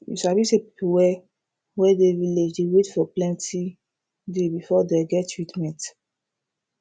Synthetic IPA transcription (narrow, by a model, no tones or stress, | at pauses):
jḭʃavisepipuwɛ | wɛdeviled͡ʒdewetfɔplɛ̃nti | debifɔdeɡɛttːɹitmɛ̃nt